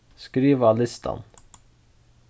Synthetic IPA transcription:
skɾiːʋalɪst̪ʰa̰n

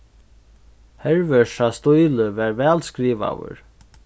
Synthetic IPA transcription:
hɛɹvœʂast̪ujləvɛɹvɛːlskɾiːʋa̰wə̰ɹ

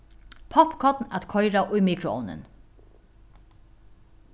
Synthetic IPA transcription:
pʰɔpkʰɔt̪nat̪kʰɔjɾaʔʊjmiːkɾʊɔ̰wnɪ̰n

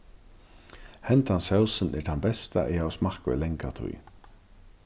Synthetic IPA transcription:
hɛnt̪ansɛwsənɛ̰ɾt̪ʰanbɛst̪aʔɛjawsmahkvɛ̰lɛŋkat̪ʰṵj

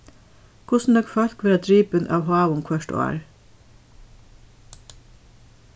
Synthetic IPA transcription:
kʰʊsn̩d̪ɔkfœl̥kʋæːɾɑd̪ɹiːpənʔɑ̰ːʋhɑːʋʊŋkʰʋœʃʈʊ̰æ̰ːɹ

